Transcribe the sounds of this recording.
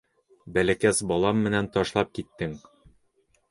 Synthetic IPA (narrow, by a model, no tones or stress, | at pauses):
bælækæsbɒlˠɑmːɘ̆nænt̪ɒʃlˠɑp̚kit̪ːɘŋ